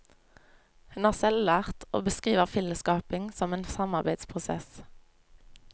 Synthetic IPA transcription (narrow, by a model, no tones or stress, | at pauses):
hʉnhɑːʁsɛllæːʁt̪o̰ːbəskʁiːʋəʁfɪləskɑːpɪŋsɔmeːnsɑmɑʁbæɪd̪spʰʁʊsɛ̰s